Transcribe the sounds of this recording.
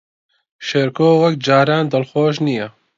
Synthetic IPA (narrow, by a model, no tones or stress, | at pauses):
ʃeɾkoːwɐkd͡ʒaːɾaːnd̪ɐlxoːʃniːjɛ